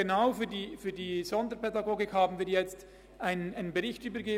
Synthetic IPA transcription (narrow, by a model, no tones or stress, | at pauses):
enaʊfyːdiːfyːɐdiːzɔndəpʰɛdaɡoːɡɪkhaːbn̩vɪɐtjɛt͡st | ʔaɪnənaɪnənbeʁɪçtʔyːbəɡeː